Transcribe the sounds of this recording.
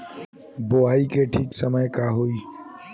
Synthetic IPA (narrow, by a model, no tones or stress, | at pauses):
boaːikeʈʰiːksəməjkaɦoiː